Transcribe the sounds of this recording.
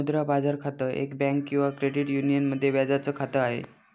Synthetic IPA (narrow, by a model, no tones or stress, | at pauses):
d̪ɾabad͡zaɾkʰat̪əʔḛkbɛ̃ŋkːĩw̃ʋakɾeɽiʈjunijənməd̪ʱːjeʋjad͡zat͡səːkʰat̪əaɦḛ